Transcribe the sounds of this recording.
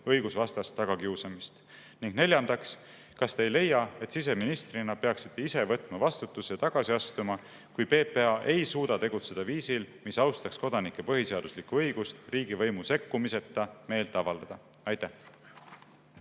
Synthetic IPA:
ɤjɡ̥usvɑst̪ɑst̪ːɑɡ̥ɑkiusɑmist̪ | niŋɡ̥ne̞lʲjɑnd̪ɑks | kɑst̪e̞jle̞jːɑe̞t̪sis̬e̞minist̪rinɑpe̞ɑksi̥t̪ːe̞ise̞vɤt̪ːˑmɑvɑst̪ut̪ːˑuset̪ɑɡ̥ɑsiɑst̪umɑ | kujpe̞ːpe̞ɑʔe̞jsuːd̪̥ɑt̪e̞ɡ̥ut̪se̞d̪̥ɑviːsilmisɑwst̪ɑksko̞d̪ɑnikːˑe̞pɤɦise̞ɑd̪̥uslikːuɤjɡ̥ust̪riːɡ̥ivɤ̞jmuse̞kːumise̞t̪ːˑɑme̞ːlt̪ˑːɑvɑld̪ɑd̪̥ɑ | ɑjt̪ːæh

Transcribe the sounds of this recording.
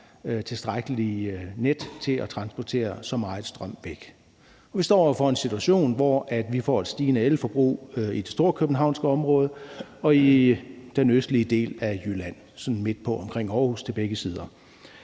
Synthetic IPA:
t͡sʰe̝sd̥ʁaɡ̥əlined̥t͡sʰe̝læt͡sʰʁɑ̈nsb̥ɒt͡sʰe̝̰ːɐsɒ̽mɑ̈ːð̩ˠsd̥ʁɶm̰ʋeɡ̥ | ɒ̽ʋisd̥ɒ̰ːɒ̰fɒ̽e̝nsit͡sʰuæɕo̝̰ːnʋɒʔæd̥ʋifɒ̰ːe̝d̥sd̥iːnəeləfɒ̽b̥ʁṵːid̥e̝sd̥o̝ɐkʰøb̥n̩ɦɑ̈ʊ̰nsɡ̥əɒ̽mʁɔ̽ːð̞ˠəɒ̽id̥enøsd̥liəd̥e̝̰ːlæjylæn̰ | sɒ̽nn̩me̝d̥̚pʰɒ̽ɒ̽mkʰʁeŋ̰ɒːhṵːst͡sʰe̝lb̥eɡ̥əsiːð̞ˠɐ

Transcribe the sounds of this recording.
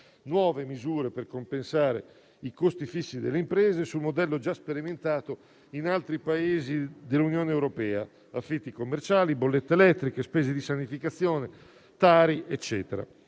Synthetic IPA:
nwɔːvemizuːɾeperkompensaːɾḛ | ikost̪ifisːid̪elːeimpɾɛːzesumod̪ɛlːod͡ʒaspeɾiment̪aːt̪o | inalt̪ɾipaeːzid̪elːunjoːneːwɾopɛːa̰ | afːit̪ːikomːert͡ʃaːlibolːet̪ːeelɛt̪ːɾikespɛːzed̪isanifikat̪sːjɔːne | t̪aːɾiɛt͡ʃːɛːt̪eɾa̰

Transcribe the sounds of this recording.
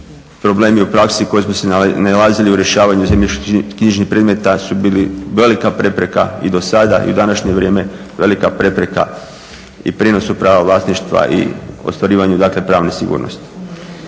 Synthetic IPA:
pɾo̞ble̞ːmiupɾaksiko̞jesmosenalaːziliuɾje̞ʃaːʋaɲuzemʎiʃkkɲiʒniçpɾed̪me̞t̪asubiːliʋe̞likapɾe̞pɾe̞ka̰id̪o̞sad̪a̰ḭud̪anaʃɲeʋɾʲje̞ːme̞ | ʋe̞likapɾe̞pɾe̞ka̰ | ḭpɾeːno̞supɾaːʋaʋlˠaːsniʃt̪ʋa̰ʔḭo̰st̪ʋaɾiːʋaɲud̪aːkle̞pɾaːʋnesiɡṵːɾno̰st̪i̥

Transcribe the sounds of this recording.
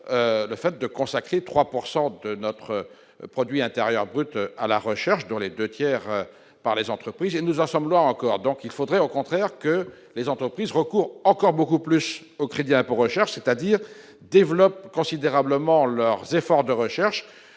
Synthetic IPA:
øləfɛt̪̚d̪əkɔ̃sakχet̪χwapuʁsɑ̃d̪ənɔt̪χə | pχɔd̪ɥiɛ̃t̪eʁjœʁbʁyt̪a̰la̰ʁəʃɛʁʃd̪ɔ̃led̪øt̪jɛʁ | paʁlezɑ̃t̪χəpχizenuzɑ̃sɔmlwɛ̃ɑ̃kɔʁd̪ɔ̃kilfod̪ʁɛokɔ̃t̪χɛʁkə | lezɑ̃t̪χəpχizʁəkuʁɑ̃kɔʁbokuplys | okχed̪iɛ̃poʁəʃɛʁʃset̪ad̪iːʁ | d̪evlɔp̚kɔ̃sid̪eʁabləmɑ̃lœʁzefɔʁd̪əʁəʃɛʁʃ

